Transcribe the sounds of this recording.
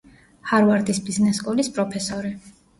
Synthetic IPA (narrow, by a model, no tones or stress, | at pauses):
haɾvaɾd̪isbiznɛsɡʼɔlispʼɾɔpʰɛsɔɾi